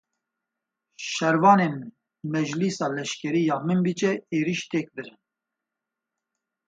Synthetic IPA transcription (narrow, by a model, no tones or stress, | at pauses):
ʃɛɾvɑːneːn | mɛd͡ʒlisɑːlɛʃkʲɛɾiːjɑːmɨmbit͡ʃɛeːɾiʃt̪ʰeːk̚bɨɾɨn